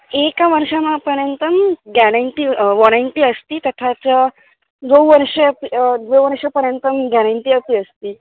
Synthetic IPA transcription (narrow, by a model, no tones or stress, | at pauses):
ekaʋəɾʂamapəɾjənt̪əmɡɛɽaɳʈiːʋɔñajɳʈiːəst̪iːt̪ət̪ʰat͡sə | d̪oʋəɾʂepd̪ʋoʋəɾʂəpəɾjənt̪əmɡɛɽ̃aɳʈiːəpiːəst̪iː